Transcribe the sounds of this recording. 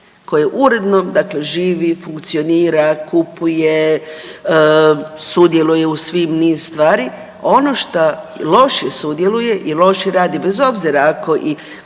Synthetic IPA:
ko̞jeʔuɾe̞d̪nomd̪akle̞ʒiːʋifuŋkt̪sio̞niːɾakupuje | sud̪je̞luje̞usʋimniːzst̪ʋaːɾi | o̞noʃt̪a | lo̞ʃjesud̪je̞luje̞ʔilo̞ʃjeɾaːd̪ibezo̞bziɾaako̞ʔi

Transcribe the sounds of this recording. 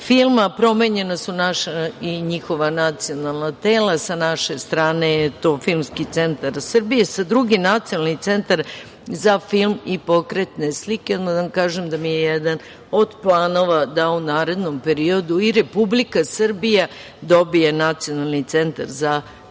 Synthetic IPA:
filˠmapɾo̞meɲe̞nasunaʃaiɲixo̞ʋanat̪sio̞nalˠnat̪eːlasanaʃe̞st̪ɾaːnejet̪o̞ːfilmskit̪se̞nt̪aɾsrbije̞sad̪ɾuɡinat̪sionalnit̪se̞nt̪aɾ | zafilˠmipo̞kɾe̞t̪ne̞sliked̪mad̪aamkaːʒemd̪amijejɛd̪an | od̪plˠaːno̞ʋad̪aunaːɾe̞d̪no̞mpe̞ɾio̞d̪uiɾe̞publikasr̩bija | d̪o̞bijenat̪sio̞nalˠnit̪se̞nt̪a̰ɾza

